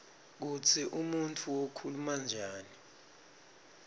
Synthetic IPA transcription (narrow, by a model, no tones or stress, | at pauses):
k̬ut͡sʰiʔumuntʰuwokʰulumand͡ʒʱaːni